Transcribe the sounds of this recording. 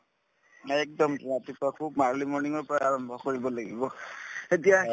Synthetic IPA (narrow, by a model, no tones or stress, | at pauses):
ɛk̚dɔmpatipɔakʰubmaɹlimɔɹniŋɔɹpɔɹaaɹɔmbʱɔkoɹibɔlaɡḭbɔetija